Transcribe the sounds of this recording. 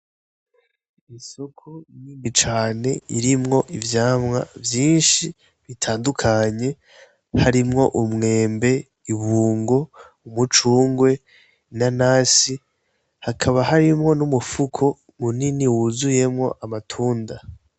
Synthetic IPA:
iso̞kʰoɲimit͡ʃaːne̞iɾimŋo̞ʔivjaːmŋa̰vjiːnʃi | βitʰaːndukʰaɲe̞ | haɾimŋo̞ʔumŋe̞ːmbe̞ | iβuːŋɡo̞ | umut͡ʃuːŋɡwe̞ | nanaːsi | hakʰaβaɦaɾimŋo̞numufukʰo̞ | muniniwuzuje̞mŋo̞̰ʔamatʰuːnda

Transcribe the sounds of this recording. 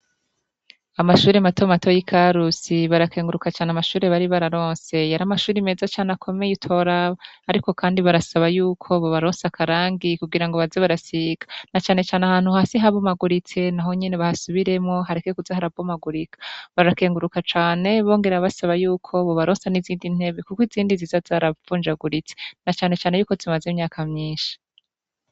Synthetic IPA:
amaʃuːɾematomato̞jikʰaɾusiβaɾakʰe̞ːŋɡuɾukat͡ʃaːneamaʃuːɾe̞βaɾiβaɾaɾo̞ːnse̞jaɾamaʃuːɾime̞ːzat͡ʃaːneakʰo̞me̞jitʰo̞ɾaːɾiko̞kʰaːndiβaɾasaβajuːkʰo̞βo̞βaɾoːnsakʰaɾaːŋɡikuɡiɾaŋɡo̞βazeβaɾasiɡ̥ḁnat͡ʃaːne̞t͡ʃaːneahaːn̥huhaːsiɦaβomaɡuɾit͡se̞naɦo̞ɲe̞neβahasuβiɾe̞mŋo̞ɦaɾekekuzahaɾavomaɡuɾikʰḁβaɾake̞ːŋɡuɾukat͡ʃaːne̞βo̞ːŋɡe̞ɾaβasaβajuːkʰo̞βo̞βaɾoːnsaniziːndin̥he̞βe̞kukwiziːndizizazaɾavuːnd͡ʒaɡuɾit͡se̥nat͡ʃaːne̞t͡ʃaːne̞juːko̞zimazemɲaːkʰamɲiːnʃi̥

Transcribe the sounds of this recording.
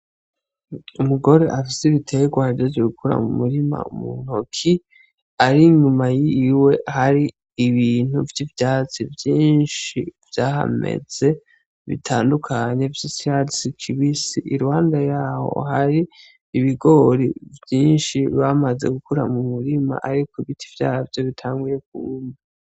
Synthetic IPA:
umuɡo̞ɾe̞ʔafiseiβitʰe̞ɡwahaɾɟozoɡukʰuɾa̰mumuɾima̰ṵmun̥okʰi | aɾiɲumajiwe̞ʔhaɾiː | βin̥huvjivjaːt͡sivjiːnʃiv̥jaːɦa̰me̞̰z̥e̞ | βḭtʰaːndukʰaɲe̞visiadisikʰiβisiʔiɾuhaːndajaːho̞̰ɦaɾiː | βiɡo̞ɾḭvjiːnʃiβamaze̞̰ɡukuɾa̰mumuɾima̰ʔaɾikʰoiβitʰivja̰ːavjo̞βitʰaːŋɡuje̞k̚uni

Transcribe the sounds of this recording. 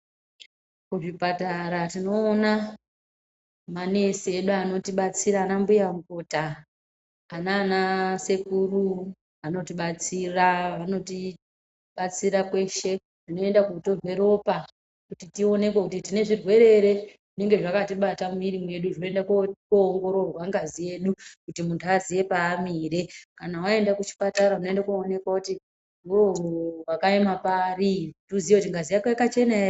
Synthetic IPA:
kuʐipataɾatino̞ːna | mane̞sieɗuano̞tiɓat͡siɾaːnambujamukotaː | nanase̞kuɾu | ano̞tiɓat͡siraʋano̞ti | ɓat͡siɾakwe̞ʃe̞ | ʐ̥ino̞e̞ndakuuto̞rwe̞ɾo̞pa | kutitio̞ne̞kwekutitine̞ʐirwe̞ɾe̞ɾe̞ʐine̞ŋɡe̞ʐakatiɓatamiɾimwe̞ɗuʐo̞e̞ndakokoːŋɡo̞ɾo̞rwaŋɡazije̞ɗukutimuntʰuazije̞paːmiːɾekanawae̞ndakut͡ʃi̥pataɾaunoendakone̞kwakuti | uo̞wakaemapaːrituzijekutiŋɡazijakekat͡ʃe̞nae

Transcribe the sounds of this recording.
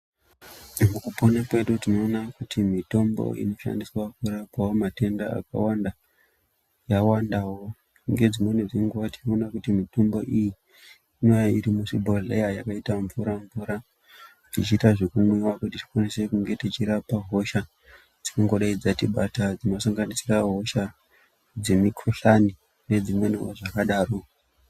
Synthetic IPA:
mukuponakwe̞ɗutino̞ːnakutʰimito̞mbo̞̰ḭno̞ʃa̰ndiswakuɾapawomate̞ndaa̰ka̰wanda | jawandawo | ŋɡe̞d͡zino̞ned͡ziŋɡuʋati̥noːnakutimito̞mbo̞ʔiji | inojaiɾimuʂibʱoɮḛjajakaitaɱvuɾaɱvuɾa | tit͡ʃiːtaʐikumwiwakutiti̥kwanise̞kuŋɡe̞tit͡ʃiɾapaɦo̞ʃa | d͡zikoŋɡo̞ɗaid͡zatiɓatad͡zinosaŋɡanisiraɦo̞ʃa | d͡ze̞mikʰoɬani | ne̞d͡zimwe̞neo̰ʐakaɗaːro̞

